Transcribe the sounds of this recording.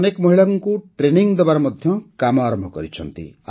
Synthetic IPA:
nekmɔɦiɭaŋkuʈɾeniŋd̪ɔbaɾɔmɔd̪ʱjɔkamɔaɾɔmbʱɔkɔɾit͡ʃʰʌ̰nt̪ḭa

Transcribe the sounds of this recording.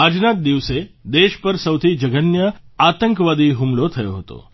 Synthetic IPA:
ad͡ʒnat̪̚d̪iʋsed̪eʃpəɾsəwt̪ʰid͡ʒəɡənjəat̪əŋkʋad̪iɦumlot̪ʰəjo̰ɦət̪o̰

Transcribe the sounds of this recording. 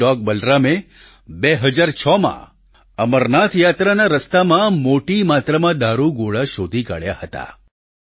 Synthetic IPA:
ɔɡ̚bəlɾame | beɦəd͡ʒaɾt͡ʃʰɔmã̰ | əməɾnat̪jat̪ɾanaɾəst̪amãmoʈimat̪ɾəmãd̪aɾuɡoɭaʃod̪ʱika̰ɭja̰hət̪a̰

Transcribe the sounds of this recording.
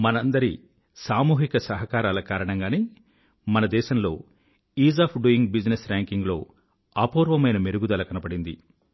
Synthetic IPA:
mɐnɐnd̪ɐɾi | saːmuːɦikɐsɐɦɐkaːɾaːlɐkaːɾɐɳɐŋɡaːneː | mɐnɐd̪ɛːʃɐmlo̞ː | iːzaːpʰɖuiŋɡbid͡ʒnesɾaːŋkiŋɡlo̞̰ː | aːpuːɾʋɐmɐjnɐmeɾuɡud̪ɐlɐkɐnɐbɐɽind̪ḭ

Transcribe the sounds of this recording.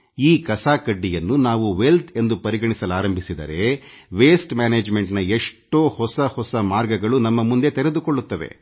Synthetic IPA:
iːkɐsaːkɐɖːijɐnːunaːʋuʋe̞lt̪ʰe̞nd̪upɐɾiɡɐɳisɐlaːɾɐmbʱisid̪ɐ̰ɾe̞ʋeːsʈmaːneːd͡ʒme̞ɳʈnɐeʂʈoːhɔsɐhɔsɐmaːɾɡɐɡɐɭunɐmːɐmund̪e̞t̪eɾe̞d̪ukoɭːut̪ːɐʋḛ

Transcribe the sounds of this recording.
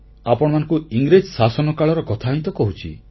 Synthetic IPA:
apɔɽ̃ɔmanɔ̃ŋkuiŋɡɾed͡ʒsasɔnɔkaɭɔɾɔkɔt̪ʰaɦĩnt̪ɔkɔɦut͡ʃʰḭ

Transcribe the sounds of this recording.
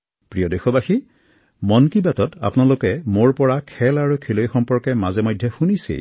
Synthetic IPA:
pɹijɔdexɔbaxi | mɔnkibatɔta̰pnalokɛmoɹpɔɹakʰɛlaɹukʰelojxɔmpɔɹkɛmazɛmɔjdʱjɔxunisḛ

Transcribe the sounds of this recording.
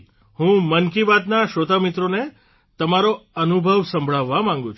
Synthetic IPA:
hũmənkibat̪naʃod̪ʱamit̪ɾone | t̪əmaɾoənubʱəʋsə̃mbʱɭaʋːamãŋɡũt͡ʃʰ

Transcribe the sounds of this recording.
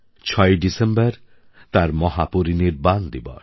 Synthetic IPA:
t͡ʃʰɔjɖisembaɾ | t̪aɾmɔɦapuɾiniɾband̪ibɔ̰

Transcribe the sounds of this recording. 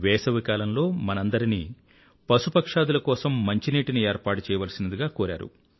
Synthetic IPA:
ʋɛːsɐʋikaːlɐnlo̞ːmɐnɐnd̪ɐɾinḭː | pɐsupɐkʂaːd̪ulɐkɔːsɐmːɐɲt͡ʃiniːʈinie̞ːɾpaːʈut͡ʃɛːjɐʋɐlɐsinɐd̪iɡaːkoːɾa̰ːɾṵ

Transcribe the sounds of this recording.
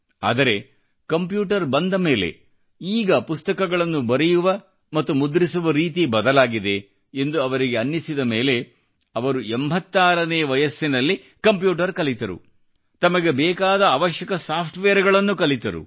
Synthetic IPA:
a̰ːd̪ɐɾe̞ | kɐmpjuːʈɐɾbɐnd̪ɐme̞ːle̞̰ | iːɡɐpust̪ɐkɐɡɐɭɐnːubɐɾejuʋɐ | mɐt̪ːumud̪ɾisuʋɐɾiːt̪ibɐd̪ɐlaːɡid̪e̞ː | nd̪uɐʋɐɾiɡeɐnːisid̪ɐme̞ːle̞ | ɐʋɐɾuembʱɐt̪ːaːɾɐneːʋɐjɐsːinɐlːi | kɐmpjuːʈ̬ɐɾkɐlit̪ɐɾṵ | t̪ɐmɐɡe̞bɛːkaːd̪ɐːʋɐʃjɐkɐsaːpʰʈʋeːɐɾɡɐɭɐnːukɐlit̪ɐɾṵ

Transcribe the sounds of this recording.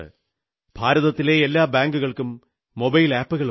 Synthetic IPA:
ɨ̰ | bʱaːɾɐðɐt̪ːile̞elːaːbaːŋɡuɣɐɭkumː | o̞bɐjlaːpːuɣɐɭ

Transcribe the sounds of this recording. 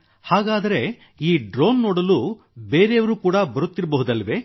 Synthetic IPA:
haːɡaːd̪ɐɾe̞ | iːɖɾoːnːoːɽɐlu | be̞ːɾeːɐʋɐɾuːkuːɽɐbɐɾut̪ːiɾɐbɐɦud̪ɐlːɐʋe̞

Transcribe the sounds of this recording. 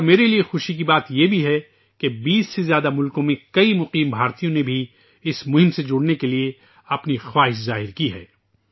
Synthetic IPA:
ɾmeːɾeliexʊʃik̬ibaːt̪jebʱiɦɛ | kebiːsːezjaːd̪amʊlkõmẽkɐimʊqiːmbʱaːɾt̪ijõnebʱi | ɪsmʊɦɪ̃msed͡ʒʊɽnekelie | ɐpnixwaːɦɪʃzaːɦɪɾkiɦɛ̰ː

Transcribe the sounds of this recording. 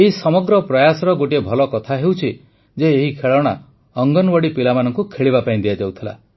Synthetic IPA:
eɦisɔmɔɡɾɔpɾɔjasɔɾɔɡoʈiebʱɔlɔkɔt̪ʰaɦewt͡ʃʰi | d͡ʒeːɦikʰeɭɔɽ̃a | ɔŋɡɔnbɔɽipilamanɔŋkukʰeɭibapaĩd̪ijad͡ʒawt̪ʰila̰

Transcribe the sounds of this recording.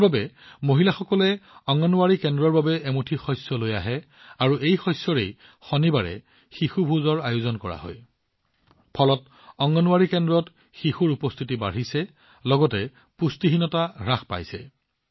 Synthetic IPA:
babɛmoɦilaxɔkɔlɛɔŋɔnuwaɹikɛndɹɔɹbabɛɛmutʰixɔjsɔloja̰ɦɛ | aɹuʔejxɔjsːɔɹej | xɔnibaɹɛ̰ | xixubʱuzɔɹajuzɔnkɔɹa̰ɦɔ̰j | pʰɔlɔt | ɔŋɔnʊwaɹikɛndɹɔt | xixuɹupɔst̪ʰitiba̰ɹ̤isɛ | lɔɡɔtɛ | pustiɦinɔtaɹaxpa̰jsɛ̰

